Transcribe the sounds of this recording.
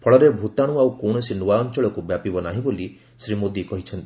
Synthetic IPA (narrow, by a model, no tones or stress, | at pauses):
pʰɔɭɔɾebʱut̪aɽ̃uawkoɽ̃ɔsinuaɔnt͡ʃɔɭɔkubjapibɔnaɦĩboli | sɾimod̪ikɔɦit͡ʃʰɔnt̪i